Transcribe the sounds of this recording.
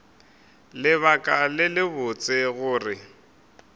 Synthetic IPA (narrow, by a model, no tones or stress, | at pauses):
lɪβakʼalɪlɪbʊt͡sʼɪɣʊːrɪ